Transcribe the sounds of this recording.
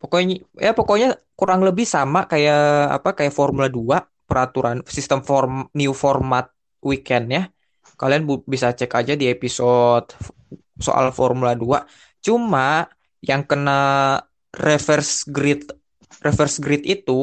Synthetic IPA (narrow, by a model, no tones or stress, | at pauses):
pokoɲjapokoɲakuɾaŋləbɪhsamakajaa̰pakajaʔfɔrmuladua | pəɾat̪uɾansist̪əmfɔrmniufɔrmat̪̚ | wikɛnja | kalianbbisat͡ʃɛkad͡ʒadiepisɔt̪̚ | so̰ʔa̰lfɔrmuladua | t͡ʃuma | jaŋkəna | refɛrsɡɾɪt̪̚ | refɛrsɡɾɪt̪it̪u